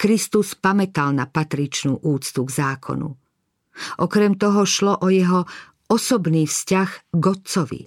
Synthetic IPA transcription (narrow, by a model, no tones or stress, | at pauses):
kɾist̪uspamɛt̪alnapat̪ɾit͡ʃnuːʔuːt͡st̪uɡzaːkʰɔ̰nṵ | ʔɔkɾɛmt̪ɔɦɔʃlɔʔɔjɛɦɔ | ɔsɔbniːfscaɣɡɔt̪t͡sɔʋḭ